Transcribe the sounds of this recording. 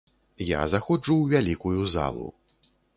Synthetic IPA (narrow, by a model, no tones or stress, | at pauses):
ja̰zaxɔd͡ʐuwvʲalʲikujuza̰lˠṵ